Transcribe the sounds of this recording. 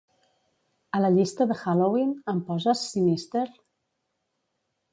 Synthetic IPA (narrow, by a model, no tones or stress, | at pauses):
ələʎist̪əðəxalowinəmpɔzəsinist̪eɾ